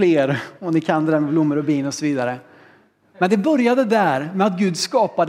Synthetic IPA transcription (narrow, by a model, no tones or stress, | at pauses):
leːɾɔmnɪkʰand̪əd̪ɛɾmɛblʊmːəɾɔbiːnɔsɔviːd̪aɾə | mɛnd̪ɛbœɾjad̪əd̪æːɾmɛat̪ɡʉ̟ːd̪skɑːpad̪